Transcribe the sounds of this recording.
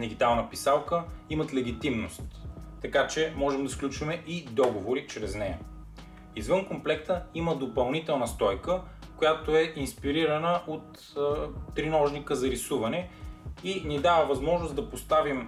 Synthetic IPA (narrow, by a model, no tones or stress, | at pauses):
d̪iɡ̟it̪alˠnəpisalˠkəimət̪lɛɡ̟it̪imnost̪ː | ɐkat͡ʃɛmɔʒɛmd̪ɐsklʲut͡ʃvɐmɛʔid̪ɔɡovoɾit͡ʃɾɛznɛjɐ̰ | izvɤnkomplɛk̚t̪əiməd̪opɐlˠnit̪ɛlˠnəst̪ɔjkə | kojat̪oɛʔinspiɾiɾɐnəʔot̪ː | ɾinɔʒnikəzɐɾisuvɐnɛinid̪avəvɐzmɔʒnʊsd̪ɐpost̪avim